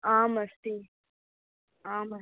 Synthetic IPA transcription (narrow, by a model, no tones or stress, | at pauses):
aːmɐst̪i | aːmɐ